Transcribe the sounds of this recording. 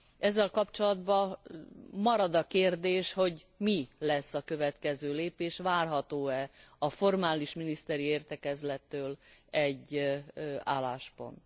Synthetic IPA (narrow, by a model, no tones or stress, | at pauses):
ɛzːɛlkɒpt͡ʃo̞lɒd̪bɒ | mɒɾɒd̪ɒkeːrd̪eːʃho̞ɟ | milɛsːɒkø̞vɛt̪kɛzøːleːpeːʃʋaːrɦɒt̪oːɛɒfo̞rmaːliʃminist̪ɛɾieːrt̪ɛkɛzlɛt̪ːøːlɛɟː | aːlːaːʃpo̞̰nt̪